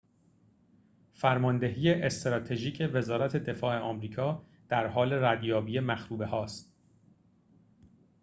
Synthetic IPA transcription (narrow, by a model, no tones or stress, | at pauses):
fæɾmɒːnd̪e̞ɦiːe̞ʔest̪ɾɒːt̪ʰe̞ʒiːcʰe̞ve̞zɒːɾæt̪ʰe̞d̪e̞fɒːe̞ʔɒːmɾiːkʰɒː | d̪̥æɾɦɒːle̞ɾæd̪jɒːbiːe̞mæxɾuːbe̞hɒːst̪